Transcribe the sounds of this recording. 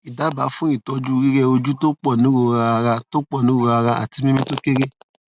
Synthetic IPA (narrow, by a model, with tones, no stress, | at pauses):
i˨da˨˦ba˨˦fũ˦i˦˨tɔ˧d͡ʒu˦˧ɾi˦ɾɛ˧o˧d͡ʒu˦to˦k͡pɔ˦˨nĩ˨˦ɾo˨ɾa˧ɾa˧to˦k͡pɔ˦˨nĩ˨˦o˧ɾa˧ɾa˧ʔa̰˨ti˧mĩ˦mĩ˦to˦ke˦ɾe˦